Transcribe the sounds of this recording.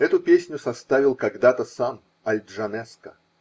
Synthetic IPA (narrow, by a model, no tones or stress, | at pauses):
ɛt̪ʊpʲesʲnʲʊsɐst̪avʲɪlˠkɐɡd̪at̪əsam | ɐlʲdʐɐmɛskə